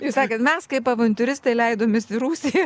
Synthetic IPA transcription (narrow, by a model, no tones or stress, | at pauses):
jɪsɑːkʲɐːt̪mʲɛskɐɪpɐʋɐnʲt̪ʲʊɾʲɪst̪ɐɪlʲɛɪd̪oːmʲɪːsɪɾuːsʲɪj